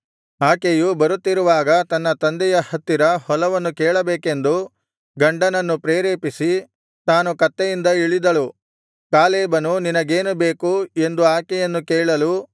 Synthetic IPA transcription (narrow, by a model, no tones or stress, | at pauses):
aːkejubɐɾut̪ːiɾuʋaːɡɐt̪ɐnːɐt̪ɐnd̪ɛjɐhɐt̪ːiɾɐhɔlɐʋɐnːukɛːɭɐbeːke̞nd̪u | ɡɐɳɖɐnɐnːupɾeːɾeːpisi | t̪aːnukɐt̪ːɛjind̪ɐiɭid̪ɐlu | kaːlɛːbɐnuninɐɡeːnube̞ːkue̞nd̪uaːkɛjɐnːukeːɭɐlu